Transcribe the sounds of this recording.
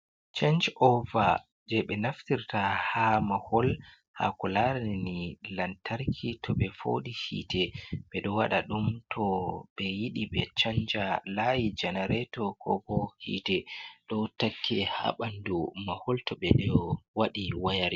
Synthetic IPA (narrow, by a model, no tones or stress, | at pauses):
t͡ʃand͡ʒɔva | d͡ʒɛɓɛnaftiɾtahamahɔl | ha̰kɔlaɾɛnilantʰaɾkʰitʰɔɓɛfo̰ɗihḭtɛɓɛɗɔwaɗaɗumtʰɔɓɛjiɗiɓɛt͡ʃaɲd͡ʒalajid͡ʒɛnaɾɛtɔkʰɔ̰bɔhḭtɛɗɔtakʰːɛha̰ɓandumahɔltɔɓɛɗɔwaɗiwajaɾi